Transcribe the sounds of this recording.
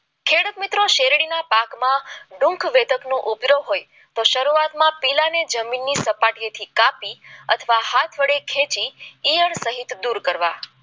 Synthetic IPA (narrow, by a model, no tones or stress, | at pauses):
kʰeɽut̪mit̪ɾoʃeɾɽinapakmãɖʊ̃ŋkʰʋed̪əknũʔubɾoɦoj | t̪oʃəɾuat̪mãpilaned͡ʒəminːisəpaʈijet̪ʰikapiə̰t̪ʰəʋahat̪ʰʋəɽekʰet͡ʃiːjəɳsəɦit̪d̪uɾkəɾʋa